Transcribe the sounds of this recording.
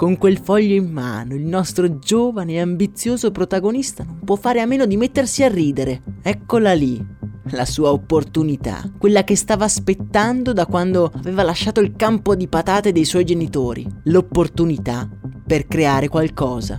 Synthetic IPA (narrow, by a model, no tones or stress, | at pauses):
koŋkwelfɔʎːoimːa̰ːnoilnɔst̪ɾod͡ʒoːvaneambit̪sːjoːzopɾot̪aɡonist̪anompwɔfːaːɾeamːeːnod̪imet̪ːersiarːiːd̪eɾeɛkːolalilasuːaopːort̪unit̪a̰kːwelːakest̪aːvaːspet̪ːand̪od̪akwand̪oaveːvalaʃːaːt̪oilkampod̪ipat̪aːt̪ed̪ejswɔjd͡ʒenit̪oːɾḭlopːort̪unit̪aperkɾeaːɾekwalkɔːza̰